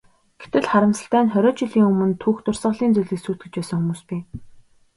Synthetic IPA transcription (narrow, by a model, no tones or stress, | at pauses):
ɡ̥et̪ɘ̆ɮχaɾə̆msə̥̆ɬt̪æːnχœɾʲɔːt͡ɕɪɮiːŋɵmɵ̆nt̪ʰuːxt̪ʊr̥sə̆ɮiːnt͡sujɮĭːksuːt̪̚ɡɘ̆t͡ɕpæːsə̆ŋxumuːspiː